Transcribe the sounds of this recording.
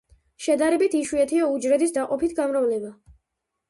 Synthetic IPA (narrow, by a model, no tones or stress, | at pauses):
ʃɛd̪aɾɛbit̪ʰiʃwuɛt̪ʰiaud͡ʒɾɛd̪isd̪aqʼɔpʰit̪ʰɡamɾavlɛba